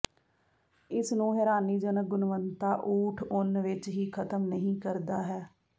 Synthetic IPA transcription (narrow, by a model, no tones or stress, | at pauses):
ɪsnũːɦɛːɾaːniːd͡ʒənək̚ɡʊnʋənt̪aːʔuːʈʰʊnʋɪt͡ʃɦiːkʰət̪əmnəɦĩːkəɾd̪aːɦɛː